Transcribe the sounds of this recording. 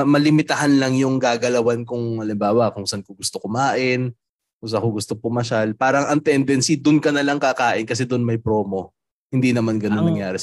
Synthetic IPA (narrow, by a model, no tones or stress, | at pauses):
mɐlɪmɪt̪ɐɦanlɐŋjʊŋɡaːɡɐlɐwankʊŋɐlɪmbaːwɐkʊŋsankoɡʊst̪okʊmaːʔɪn | kʊŋs̬akoɡʊst̪opʊmɐʃalpaːɾɐŋʔɐŋt̪ɛnd̪ɛnsid̪ʊnkɐnɐlɐŋkakaːʔɪnkɐs̬ɛd̪ʊnmɐjpɾo̞ːmo̞ | hɪnd̪inɐmanɡɐnonːɐŋjaːɾɛ